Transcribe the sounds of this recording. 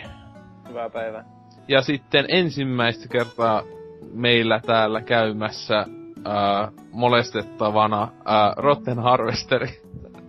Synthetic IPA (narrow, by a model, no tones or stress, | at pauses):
hyʋæpæiʋæ | jɑsit̪ːenensimːæist̪ækert̪ɑmeilːæt̪æːlːækæymæsːæəː | molest̪et̪ːɑʋɑnɑəːrot̪ːenhɑrʋest̪eɾi